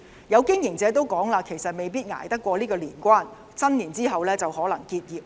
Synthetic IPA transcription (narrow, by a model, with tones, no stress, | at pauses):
jɐ˨˧wkɪ˥ŋjɪ˨˩ŋt͡sɛː˨˧t̪o˥wkɔː˨˥ŋlaː˧kʰe˨˩jsɐ˨t̚me˨jp̬iː˥t̚ŋa̰ː˨˩jt̪ɐ˥kːʷɔː˧liː˥kɔː˧liː˨˩nkʷaː˥n | sɐ˥nliː˨˩nt͡siː˥ɦɐ˨wlɛː˥t͡sɐ˨whɔː˨˥lɐ˨˩ŋkiː˧t̚jiː˨p̚